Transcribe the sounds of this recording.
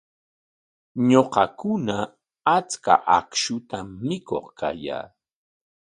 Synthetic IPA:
ɲoqɑkʊna | at͡ska̰ʔakʃʊt̪amːɪko̰χka̰ja̰ː

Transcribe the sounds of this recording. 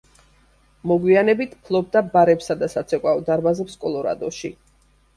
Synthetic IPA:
mɔɡwianɛbit̪ʰpʰlˠɔb̚d̪abaɾɛpsad̪asat̪sʰɛkʼwaɔd̪aɾbazɛpskʼɔlˠɔɾa̰d̪ɔʃḭ

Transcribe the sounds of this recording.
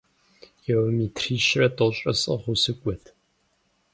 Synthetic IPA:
jɛwmitʰriːʃrɐtʼoɕʼɐsʼɨ̰ʁʷʊsɨkʷʼɔtʰ

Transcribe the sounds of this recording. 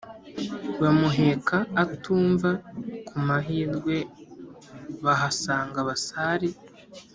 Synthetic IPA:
βamuɦe̞kʰaːtʰuːɱvakumaɦiːɾɡwe̞ | βaɦasaːŋɡaβasaːɾi

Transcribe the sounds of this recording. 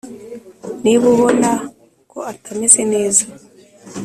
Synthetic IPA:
niβuβo̞na | koatamese̞ne̞ːzḁ

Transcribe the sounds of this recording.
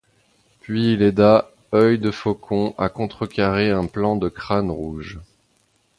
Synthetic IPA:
pɥiːled̪a | œjd̪əfokʰɔ̃akɔ̃t̪χəkaʁeɛ̃plɑ̃d̪əkχanʁuʒ

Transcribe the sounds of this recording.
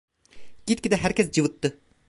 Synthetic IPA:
ɡ̥ʲit̪̚kʲid̪ɛɦæɾkʲɛsd͡ʒɨwɨt̪ːɨ

